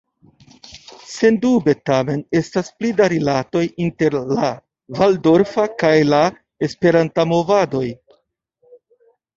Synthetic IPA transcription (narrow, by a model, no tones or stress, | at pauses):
se̞ndube̞tame̞ne̞stasplidaɾilato̞jinte̞ɾla | valdo̞ɾfakajla | e̞spe̞ɾantamo̞vado̞j